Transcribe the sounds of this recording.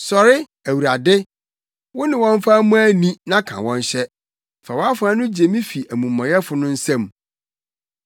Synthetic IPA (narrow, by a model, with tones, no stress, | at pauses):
sɔ˨ɾɪ˦ | æ˨wu˨ɾa˨dɪ˦ | wʊ˦nɪ̃˨wɔ̃˦ɱ˦fa˦mũ˦æ˦nĩ˦nã˦kʰã̰˨wɔ̃˦n˦ɕɛ˦ | fa˨wɔ˦a˦fʊ˨˦a˦nʊ̃˦d͡ʑe˨mĩ˦fi˨ʔæ˨mũ˨mː˨ɔ̃˨jɛ˦fʊ˨nʊ̃˦n̩˦sɛ̃˦˨m